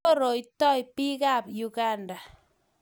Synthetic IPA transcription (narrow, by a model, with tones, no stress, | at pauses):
o˦ɾo˨jtɔ˦jpi˦ka˦˨pju˨ɡa˦nda˨